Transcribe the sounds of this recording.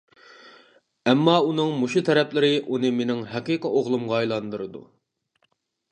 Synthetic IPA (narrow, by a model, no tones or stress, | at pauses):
ɛmːɑunɨŋmuʃut̪ʰɛɾɛpʰlɪɾɪʔunɨmenɪŋɦɛqiqʰəoʁlˠumʁɑɛjlˠɑnd̪ɨɾɨd̪ṵ